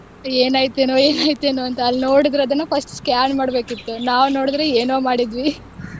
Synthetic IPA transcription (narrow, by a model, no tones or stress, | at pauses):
eːnaːjt̪eːnoeːnaːjit̪eːnoːɐnt̪ɐːlːno̞ːɽid̪ɾɐɐd̪ɐnːupʰɐsʈskjaːnmaːɽbe̞ːkit̪ːunaːʋno̞ːɽid̪ɾeeːnoːmaːɽid̪ʋi